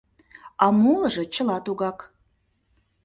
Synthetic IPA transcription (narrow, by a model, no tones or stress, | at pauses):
ɑmuləʒɤ̆t͡ɕə̆lɑt̪uɣɑk